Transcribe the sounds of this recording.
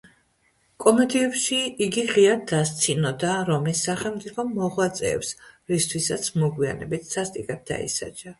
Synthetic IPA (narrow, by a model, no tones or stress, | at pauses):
kʼɔmɛd̪iɛpʃiiɡiʁiad̪ast̪sʰinɔd̪aɾɔmisːaχɛlmt̪sʼipʰɔmmɔʁwat̪sʼɛ̰ːpsɾist̪ʰwisat̪sʰmɔɡwia̰nɛbit̪ʰsast̪ʼikʼɛp̚d̪a̰ḭsa̰t͡ʃʰʼa